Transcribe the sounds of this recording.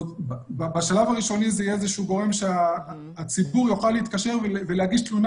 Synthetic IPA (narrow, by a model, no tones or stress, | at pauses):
bbbaʃalavaʁiʃo̞nizejeezeʃuɡo̞ʁe̞mʃeaː | t͡sibuʁjoχaleit̪̚kaʃe̞ʁvevelehaɡiʃt̪lun